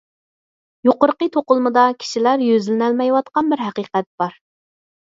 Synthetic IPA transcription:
joqʊɾqət̪ʰoqʊlˠmɨd̪ɑkʲʰi̥ʃilæɾjøzlɪnælmɛjwɑt̪̚qɑnbɪɾɦæqiqɛt̪̚b̥ɑɾ

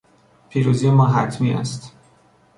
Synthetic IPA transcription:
pʰiːɾuːzijemɒːɦæt̪ʰmiːʔæ̰st̪

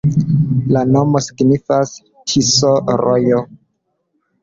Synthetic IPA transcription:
lano̞mosiɡnifas | tʰisoɾojo

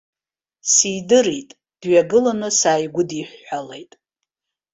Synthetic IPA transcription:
sijdɨritʼ | d̥ɥaɡɨlanɨsaːjɡʷʊdiħʷːalejtʼ

